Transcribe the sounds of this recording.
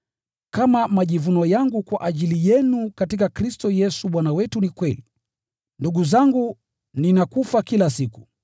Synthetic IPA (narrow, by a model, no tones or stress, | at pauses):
kamamaʄivunɔjaŋɡukwaʔaʄilijɛnukatikakɾistɔjɛsuɓwanawɛtunikwɛli | nduɠuzaŋɡu | ninakufakilasiku̥